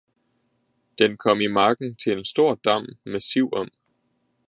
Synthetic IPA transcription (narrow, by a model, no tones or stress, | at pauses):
d̥enkʰɒ̽m̰imɑ̈ːɡ̥n̩t͡sʰe̝lensd̥o̝ɐ̰d̥ɑ̈m̰mæsiʊ̰ɒ̽m̰